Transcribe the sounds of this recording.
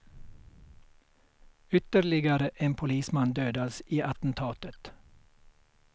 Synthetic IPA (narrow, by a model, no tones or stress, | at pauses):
ʏt̪əɾɭɪɡəɾəʔeːmpʰʊliːsmɑnd̪øːd̪ɑlsiːʔɑt̪n̩t̪ʰɑːt̪ət̪